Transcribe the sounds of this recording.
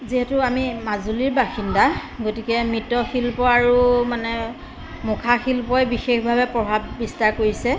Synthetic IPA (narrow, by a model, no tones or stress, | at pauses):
ziɦɛtʊamimazuliɹbaxindaɡotikɛmɹitɔxilpɔaɹumanɛ | mʊkʰaxilpɔjbixexbʱabɛpɹɔbʱabːistaɹkoɹisɛ